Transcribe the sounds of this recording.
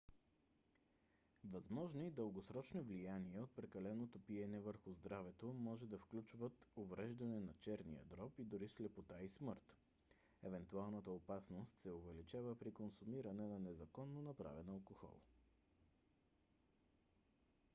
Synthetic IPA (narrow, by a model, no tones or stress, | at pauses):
vɐzmɔʒnoid̪əlˠɡosɾɔt͡ʃnovlijaniɛot̪̚pɾɛkɐlɛnot̪opiɛnɛvəɾxʊzd̪ɾavɛt̪omɔʒɛd̪ɐfklʲut͡ʃvət̪ovɾɛʒd̪ɐnɛnɐt͡ʃɛɾnḭjə̰d̪ɾɔpid̪ʊɾislɛpot̪aismɤɾt̪ | ɛvɛnt̪ualˠnət̪əopasnost̪sɛovɛlit͡ʃavəpɾikonsumiɾɐnɛnɐnɛzɐkɔnːonɐpɾa̰vɛnɐlˠkoxɔ̰lˠ